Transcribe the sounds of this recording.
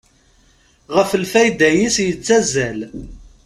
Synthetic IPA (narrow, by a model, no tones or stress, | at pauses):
ʁəflfæjd̪æjisjət͡sːæzːæl